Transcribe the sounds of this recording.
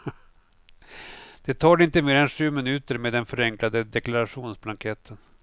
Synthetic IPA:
d̪̥ɛt̪ʰɑːɖɪnt̪əmeːɾɛnʂʉ̟ːmɪnʉ̟ːt̪əɾmeːd̪ɛnfœɾɛŋklad̪əd̪ɛklaɾaɧuːnsblaŋkʰɛt̪ʰːən

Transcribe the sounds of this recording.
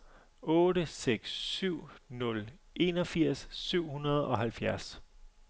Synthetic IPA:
ɔ̽ːɾəseɡ̥sːyʊ̰nɔ̽l | ʔe̝nɒ̽fiɐ̰sːyʊ̰hunɐð̞ˠɒ̽ɦælfjæɐs

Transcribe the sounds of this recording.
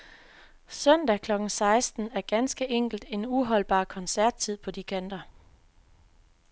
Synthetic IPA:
sœn̰d̥ækʰlɒ̽ɡ̥n̩sɑ̈ɪsd̥n̩æɐɡ̥ænsɡ̥əʔeŋ̰ɡ̥l̩d̥e̝nuɦɒ̽l̰b̥ɑ̰̈ːkʰɒ̽nsæɐd̥̚t͡sʰið̰ˠpʰɒ̽d̥ikʰæn̰d̥ɐ

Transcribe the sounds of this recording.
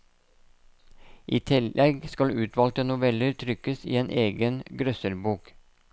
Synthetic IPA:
ʔiːt̪ʰɪlʔɛɡskɑlʉːt̪ʰʋɑːlt̪ənʊʋɛləɾt̪ʰɾʏkəsḭːeːnʔeːɡənɡɾœsəlbuːk

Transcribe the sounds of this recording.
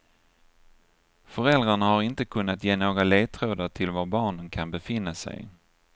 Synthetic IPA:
fœɾɛld̪ɾaɳahaɾɪnt̪əkʰɵnːat̪jeːnoːɡaleːt̪ʰɾoːd̪əʈʰɪlvaɾbɑːɳənkʰanbɛfɪnːasɛ̰j

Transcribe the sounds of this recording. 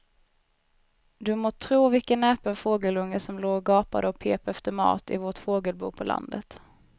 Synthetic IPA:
d̪ɵmoːt̪ʰɾuːvɪkənɛːpənfoːɡəlɵŋːəsɔmloːɡɑːpad̪əɔpʰeːpɛft̪əmɑ̰ːt̪ɪ̰vɔʈfoːɡəlbṵːpʰɔlʔa̰nd̪ət̪

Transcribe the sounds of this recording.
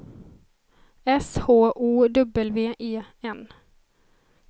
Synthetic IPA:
ɛshoːʔuːd̪ɵbəlveːʔeːɛn

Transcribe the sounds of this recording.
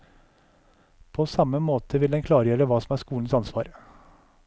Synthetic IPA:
pʰoːsɑməmoːt̪ʰəʋɪld̪ɛnkʰlɑːɾəjøːɾəʋɑːsɔmæːʂkuːn̩sɑnsʋɑːɾ

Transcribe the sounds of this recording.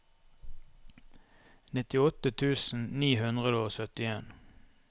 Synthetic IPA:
nɪt̪ɪɔt̪ət̪ʰʉːsn̩niːhʉnd̪ʁəd̪əoːsœt̪ɪeːn

